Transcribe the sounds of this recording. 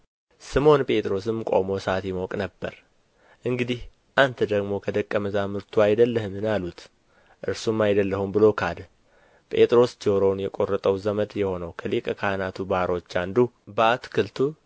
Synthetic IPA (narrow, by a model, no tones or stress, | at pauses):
sɨmo̞npʼe̞t̪ʼɾo̞s̬ɨmkʼo̞̰mo̞sat̪jɪmokʼnəbːə̰ɾ | ʔɨŋɡɨd̪ih | ʔant̪ʰəd̪əɡmo̞kʰəd̪əkʼːəməzamɨɾt̪ʰuajd̪əlːəhɨmɨnalut̪ | ʔɨɾsumːajd̪əlːəhumbɨlo̞kʰad̪ | pʼe̞t̪ʼɾo̞sd͡ʒowɾo̞njɛkʼo̞rːət̪ʼəwzəməd̪jɛho̞nəwkʰəlikʼəkʰahnat̪ʰubaɾo̞t͡ʃːand̪ubat̪kʰɨlt̪ʰu